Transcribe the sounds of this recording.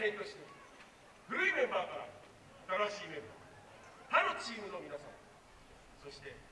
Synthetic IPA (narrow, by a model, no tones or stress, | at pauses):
ẽ̞nt̪o̞ɕino | ɸɯ̟ɾɯimẽ̞mbaːkaɾa | at̪aɾaɕiːmẽ̞mba̰ː | p̪aɾot͡ɕiːmɯ̟nomʲinasã̰ŋ | so̞ɕi̥t̪e̞